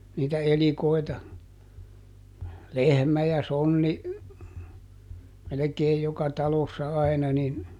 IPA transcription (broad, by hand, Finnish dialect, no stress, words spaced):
niːtæ elikoi̯tɑ lehmæ jɑ sonːi melekeːj jokɑ tɑlosːɑ ɑi̯nɑ nin